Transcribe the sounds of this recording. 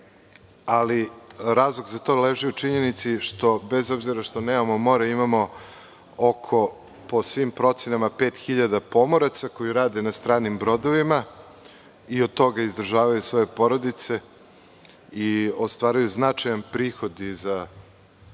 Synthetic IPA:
aliɾaːzlˠoɡzat̪o̞leʒiut͡ʃiɲe̞nit̪siʃt̪o̞be̞zo̞bziɾaʃt̪o̞neomomo̞ɾeimamo̞ | okʰo̞ | po̞sʋimpɾo̞t̪senamape̞ːt̪xiʎad̪apo̞mo̞ɾat̪sako̞jiɾaːd̪e̞nast̪ɾaːnimbɾo̞d̪o̞ʋima | iod̪̚t̪ːo̞ɡaizd̪r̩ʒaːʋajusʋo̞je̞po̞ɾo̞d̪it̪se̞ | iost̪ʋaːɾujuznat͡ʂajanpɾiːxo̞d̪iza

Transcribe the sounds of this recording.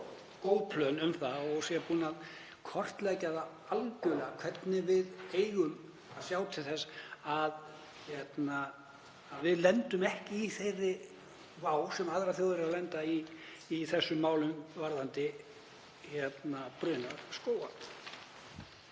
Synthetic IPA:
koːwpʰlœnʏmθaɔɣsjɛpuːnað | kʰɔr̥t̪lɛcaða | alcʏlɛɣakʰv̥ɛt̪nɪvɪðeːjɣʏm | aðsjaːwt̪ʰɪlθɛsːað | çɛt̪naː | ðvɪðlɛnt̪ʏmɛhcɪːθejrɪ | vaːwsɛmaðɾaθjowðɛɾawlɛnt̪aiː | θɛsːʏmːaːwlʏmvaɾðant̪ɪ | çɛt̪napɾʏːnaskoːwa

